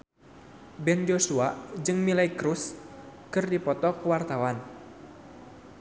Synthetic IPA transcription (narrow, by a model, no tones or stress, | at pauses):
bɛnd͡ʒosuad͡ʒɨŋmilaikɾuskɨrdipɔt̪ɔkəwart̪awan